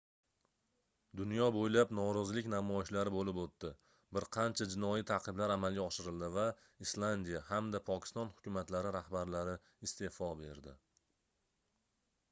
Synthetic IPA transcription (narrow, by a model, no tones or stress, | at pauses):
d̪ʊnjɒbojlapnɒɾɒzɪlɪkʲnamɒɪʃlaɾɪbolɪpot̪ːɪ | bɪɾqʰɑnt͡ʃʰad͡ʒɪnɒjit̪ʰaqʰɨblaɾamalˠɡʲaɒʃɪɾɪld̪ɪva | islˠand̪ijahamd̪apʰɒkʲʰɪ̥st̪ɒnhʊ̥kʲʊmat̪laɾɪɾahbaɾlaɾɪ | ɪst̪ʰe̞fɒbe̞ɾd̪ɪ